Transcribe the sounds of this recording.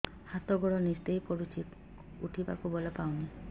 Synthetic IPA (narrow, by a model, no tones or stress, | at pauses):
hat̪ɔɡɔɽɔnist̪ejpɔɽut͡ʃʰi | uʈʰipa̰kubɔlɔpawni